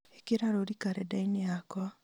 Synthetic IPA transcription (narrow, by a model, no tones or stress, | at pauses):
ekeɾaɾoɾikaɾɛdaineakɔ